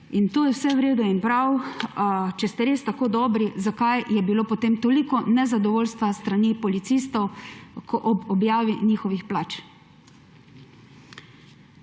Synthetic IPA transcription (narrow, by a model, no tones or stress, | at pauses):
int̪oːjɛwsɛwɾeːd̪uinpɾaw | t͡ʃɛst̪ɛɾest̪akoːd̪ɔːbɾizakajjɛbiloːpɔt̪emt̪oːlikɔnɛzad̪ɔʋoːlst̪ʋast̪ɾanipɔlit̪sist̪ɔwkɔʔɔbɔbjaːʋiniːxɔʋixplaːt͡ʃ